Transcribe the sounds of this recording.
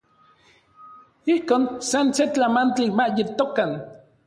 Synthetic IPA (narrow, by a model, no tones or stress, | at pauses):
ihkoːnsanset͡ɬamant͡ɬimaʔjet̪okan